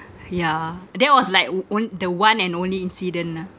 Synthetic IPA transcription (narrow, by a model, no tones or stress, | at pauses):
jadɛʔwɔslaɪkõndəwãnɛ̃nõnliĩnsidə̃na